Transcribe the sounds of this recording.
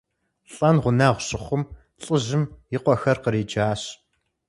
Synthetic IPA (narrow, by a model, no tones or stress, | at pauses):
ɬʼɐnʁʷʊnaːʁʷɕʼɪχʷʊm | ɬʼɨʑɪmjɪqʷɔxɐrqəɾeːd͡ʒaːɕ